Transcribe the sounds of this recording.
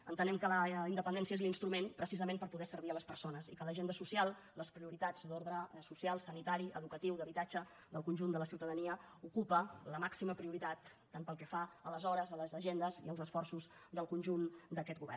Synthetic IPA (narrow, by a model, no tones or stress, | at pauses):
ə̰nt̪ənɛmkələind̪əpənd̪ɛnsiəezlinst̪ɾumenpɾəsizəmẽmpəɾpuðɛsəɾβiələspərsonəzikələʒend̪əsusialˠ | ləspɾiuɾit̪ad͡zd̪oɾðɾəsusialˠsənit̪aɾiə̰ðukət̪iwd̪əβit̪ad͡ʒə | ðəlˠkunʒund̪ələsiwt̪əðəniəukupələmaksiməpɾiuɾit̪at̪ː | anpəlˠkɛfaələzɔɾəzələzəʒend̪əziəlˠzəsfɔrsuzd̪əlˠkunʲʒund̪əkɛt̪ɡuβɛ̰r